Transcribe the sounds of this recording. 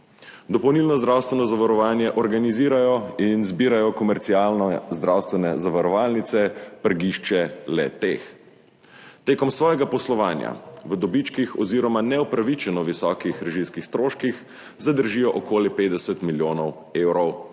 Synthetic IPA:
d̪ɔpɔwnilnɔzd̪ɾawst̪ʋɛnɔzaʋaɾɔʋaːnjɛʔɔɾɡaniziːɾajɔinzbiːɾajɔkɔmɛɾt̪siaːlnɔzd̪ɾawst̪ʋɛnɛzaʋaɾɔʋaːlnit̪sɛpəɾɡiʃt͡ʃɛlɛ̰t̪eːx | t̪eːkɔmsʋɔːjɛɡapɔslɔʋaːnja̰ʋəd̪ɔbit͡ʃkixɔziːɾɔmanɛupɾaʋit͡ʃɛnɔʋisɔːkixɾɛʒimskixst̪ɾoːʃkix | zad̪əɾʒiːjɔʔɔkoːlipeːd̪d̪ɛsɛt̪miljoːnɔw | eːwɾɔw

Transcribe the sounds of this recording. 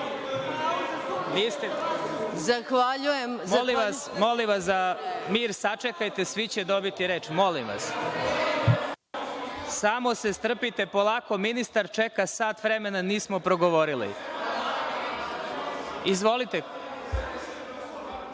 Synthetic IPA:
ʋiːst̪ezaxʋaʎujemmliasmo̞limʋas̬d̪amiːɾsat͡ʃekajt̪esʋit͡ɕed̪o̞bit̪iɾeːt͡ʃmo̞limʋa̰s | samo̞se̞st̪r̩pit̪e̞po̞lˠaːko̞minist̪aɾt͡ʃekasaːt̪ʋɾemenaniːsmopɾoɡoʋo̞ɾilḭ | izʋo̞lit̪e

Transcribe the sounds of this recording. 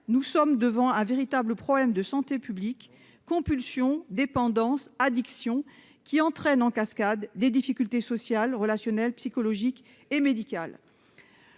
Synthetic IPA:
nusɔmd̪əvɑ̃ɛ̃veʁit̪abləpχɔblɛmd̪əsɑ̃t̪epyblikː | ɔ̃pylsjɔ̃d̪epɑ̃d̪ɑ̃sad̪iksjɔ̃ | kʲiɑ̃t̪χɛnɑ̃kaskad̪ːed̪ifikʲylt̪esɔsjalʁəlasjɔnɛlpsikɔlɔʒik | emed̪ikal

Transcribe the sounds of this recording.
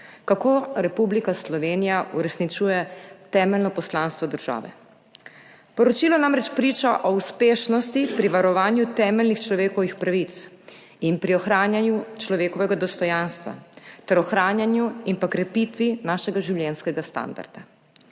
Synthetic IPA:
kakoːɾɛpublikaslɔʋeːnijaʔuɾɛsnit͡ʃuːjɛt̪ɛːmɛlnɔpɔslaːnst̪ʋɔd̪əɾʒa̰ːʋɛ̰ | pɔɾɔt͡ʃiːlɔnamɾɛt͡ʃpɾiːt͡ʃaʔɔuspeːʃnɔst̪ipɾiʋaɾɔʋaːnjut̪ɛːmɛlnixt͡ʃlɔʋeːkɔʋixpɾaʋit̪s | inpɾiɔxɾaːnjanjut͡ʃlɔʋeːkɔʋɛɡad̪ɔst̪ɔjanst̪ʋa̰t̪ɛɾɔxɾaːnjanjuimpakɾɛpit̪ʋinaːʃɛɡaʒiwlʲjɛnskɛɡast̪a̰nd̪a̰ɾd̪̥a

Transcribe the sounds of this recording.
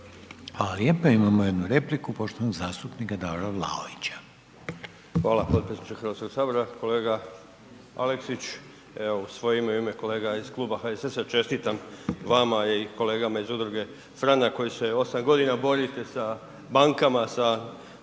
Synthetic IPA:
xʋalaljeːpeimamojed̪nuɾeplikupo̞ʃt̪oanoɡzaːst̪upnikad̪aoɾaʋla̰oit͡ɕḁ | xʋaːlapod̪pisnit͡ʃexɾʋaskoksaːbo̞ɾako̞le̞ːɡa | a̰leksit͡ɕ | eousʋo̞jeimaimeko̞le̞ːɡaiz̥klˠuːbaxaesesat͡ʃe̞st̪it̪amʋamaiko̞le̞ːɡamaizud̪ɾuɡe̞ | fɾanako̞jise̞o̞samɡo̞d̪inabo̞ɾit̪e̞sa | baŋkamasa

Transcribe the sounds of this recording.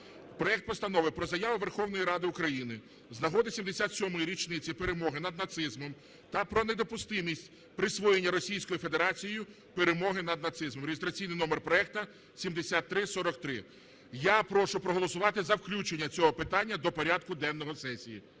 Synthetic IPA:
pɾɔɛkt̪̚pɔst̪ɐnɔʋɪpɾɔzɐjaʋʊʋerxɔwnɔjiɾɑd̪ɪʊkɾɐjinɪ | znɐɦɔd̪ɪsʲimd̪esʲat̪sʲɔmɔjiɾʲit͡ʃnɪt͡sʲipeɾemɔɦɪnɐd̪̚nɐt̪sɪzmɔm | t̪ɐpɾɔne̞d̪ɔpʊst̪ɪnʲisʲtʲ | pɾɪsʋɔjenʲːɐɾɔsʲijsʲkɔjife̞d̪eɾɑt͡sʲijjʊ | peɾemɔɦɪnɐd̪nɐt̪sɪzmɔmɾʲejɪst̪ɾɐt͡sʲijnɪjnɔmerpɾɔɛk̚t̪ɐ | sʲimd̪esʲat̪ːɾɪsɔɾɔkt̪ɾɪ | japɾɔʃʊpɾɔɦɔlˠɔsʊʋɑt̪ɪzɐwklʲut͡ʃenʲːɐt͡sʲɔɦɔpɪt̪ɑnʲːɐd̪ɔpɔɾʲad̪kʊd̪ɛnːɔɦɔsɛsʲijḭ

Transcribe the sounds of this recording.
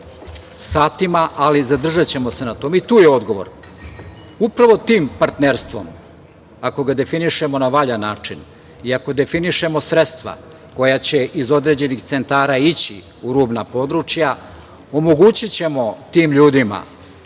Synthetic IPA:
saːt̪imaʔalizad̪r̩ʒat͡ɕe̞mo̞se̞nat̪oːmeit̪uːjeo̞d̪ɡo̞ʋo̞̰ɾ | upɾaʋo̞t̪iːmpaɾt̪neɾst̪ʋo̞̰m | ako̞ɡad̪e̞finiʃe̞mo̞naʋaʎanaːt͡ʂin | iako̞d̪e̞finiʃe̞mo̞sɾet̪st̪ʋa̰ | ko̞jat͡ɕe̞ʔizo̞d̪ɾe̞ːd͡ʑe̞nixt̪se̞nt̪aːɾait͡ɕi | uɾuːbnapo̞d̪ɾut͡ʂja | omo̞ɡuːt͡ɕit͡ɕe̞mo̞t̪iːmʎuːd̪ima̰

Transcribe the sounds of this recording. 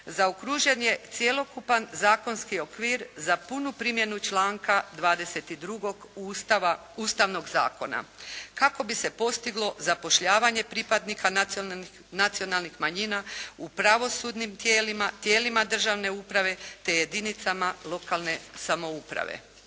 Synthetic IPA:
zaokɾuʒe̞nje̞t̪sje̞lo̞kupanzaːko̞nskio̞kʋiːɾzapunupɾimje̞nut͡ʃlˠaːŋkad̪ʋaːd̪e̞se̞t̪id̪ɾuɡo̞ɡ | uːst̪aʋno̞ɡza̰ːko̞̰na̰kako̞bise̞po̞st̪iɡlˠo̞zapo̞ʃʎaːʋaɲe̞pɾipad̪nikʰa | nat̪sio̞nalˠnixmaɲiːnaupɾaʋo̞sud̪nimt̪jeːlimat̪je̞ːlimad̪r̩ʒaʋne̞upɾaʋe̞t̪e̞je̞d̪init̪samalˠo̞kalne̞samo̞upɾa̰ʋḛ

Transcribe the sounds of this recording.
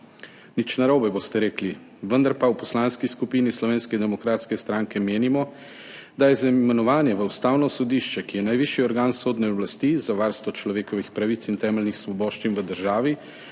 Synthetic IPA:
nit͡ʃnaɾoːbɛbost̪ɛɾeːkli | ʋənd̪aɾpawpɔslaːnskiskupiːnislɔʋeːnskɛd̪ɛmɔkɾaːt̪skɛst̪ɾaŋkɛmeːnimɔ | d̪ajɛzamɛnɔʋaːnjɛʋəust̪aːwnɔsɔd̪iːʃt͡ʃɛkijɛnajʋiʃiɔɾɡaːnsoːd̪nɛɔblast̪izaʋaɾst̪ɔt͡ʃlɔʋeːkɔʋixpɾaʋit̪sint̪ɛːmɛlnixsʋɔboːʃt͡ʃinʋəd̪əɾʒaːʋi

